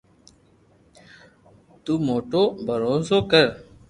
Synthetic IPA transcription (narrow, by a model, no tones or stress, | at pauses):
t̪uːmoːʈoːbʱəɾoːsoːkəɾ